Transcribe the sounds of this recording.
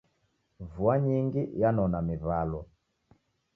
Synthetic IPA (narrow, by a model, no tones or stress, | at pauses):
vuaɲiŋɡijanɔnamiβalɔ